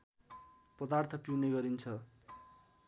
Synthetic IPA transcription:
pʌd̪art̪ʰʌpjunʌɡʌɾint͡sʰʌ

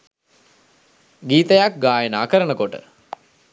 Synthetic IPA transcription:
ɡiːt̪əjak̚ɡaːjənaːkəɾənəkoʈə̰

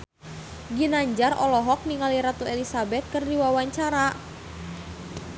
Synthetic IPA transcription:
ɡinaɲd͡ʒarɔ̰lɔɦɔk̚niŋaliɾat̪uɛlisabɛt̪̚kɨrdiwawaɲt͡ʃaɾa

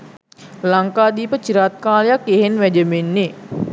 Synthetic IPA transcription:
laŋkadipət͡ʃiɾat̪̚kaljakeɦɪnwɛd͡ʒəminːi

